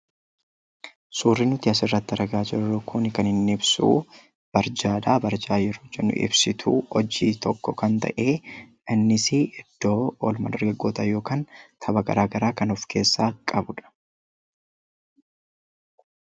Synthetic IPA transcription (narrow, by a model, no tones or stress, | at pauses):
suːrːɪnʊt̪ɪɐsɪrːɐt̪ːɐɾɐɡaːd͡ʒɪɾɾʊkʊnɪkɐnhɪnːɪbsṵː | b̥ɐɾd͡ʒaːd̪aːbɐɾd͡ʒaːjɪɾʊd͡ʒɛnːʊ̰ʔɪ̰bsɪt̪ʰuːɔd͡ʒiːt̪ɔkːɔkɐnt̪ɐ̰ʔe̞ːʔɪnːɪsɪɪd̪̥ːoːɔlmɐd̪ɐɾɡɐɡːo̞ːt̪ɐjo̞ːkaːnt̪ʰɐbɐɡɐɾaːɡɐɾaːkɐnɔfkʰe̞ːsːaːkʼɐbʊᶑɐ̥